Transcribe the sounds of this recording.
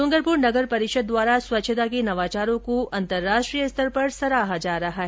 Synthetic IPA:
sʊ̃ŋɡəɾpuɾnɐɡəɾpɐɾɪʃəd̪̚dːʋaːɾaswɐtːʃʰət̪akinɐʋaːt͡ʃaːɾõkoɐ̃nt̪əɾːaːʃʈɾijəst̪ʰəɾpɐɾsɐɾaːɦad͡ʒaːɾɐɦaɦɛ

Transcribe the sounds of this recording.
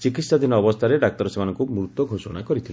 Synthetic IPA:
t͡ʃikit̪sad̪ʱinɔːbɔst̪ʰaɾeɖak̚t̪ɔɾɔsemanɔŋkumɾut̪ɔɡʱosɔɽ̃akɔɾit̪ʰile

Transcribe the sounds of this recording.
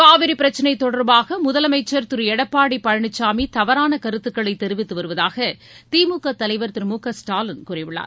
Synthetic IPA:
kaːʋɪɾipːɪɾɐt͡ʃːɐnɐɪt̪ɔɽɐɾbaːɣɐmʊðɐlɐmɐɪt͡ʃːɐɾt̪ɯɾɛɽɐpːaːɽipːɐɻɐɳɪt͡ʃːaːmit̪ɐʋɐɾaːnɐkɐɾɯt̪ːɯkːɐɭɐɪt̪ːɛɾɯʋɪt̪ːɯʋɐɾɯʋɐðaːɣɐ | t̪iːmuːkːɐt̪ːɐlɐɪʋɐɾt̪ɯɾmuːkɐsʈaːlɐnkuːrɐɪʋɪɭːa̰ːɾ

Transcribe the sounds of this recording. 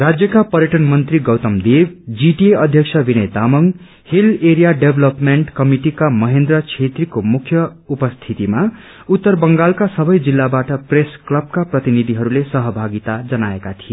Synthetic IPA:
rad͡zjʌkapʌɾjʌʈʌnmʌnt̪riɡʌwt̪ʌmd̪ebd͡ziʈieʌd̪ʱjʌksʰʌbinʌjd̪amʌŋ | hileɾijaɖebʱlʌpmeɳʈkʌmiʈikamʌɦend̪rʌt͡sʰet̪rikomukʰːjʌupʌst̪ʰit̪ima | ut̪ːʌrbʌŋɡalkasʌbʌjd͡zilːabaʈʌpresklʌb̚kaprʌt̪inid̪ʱiɦʌɾulesʌɦʌbʱaɡit̪ad͡zʌnaekat̪ʰie

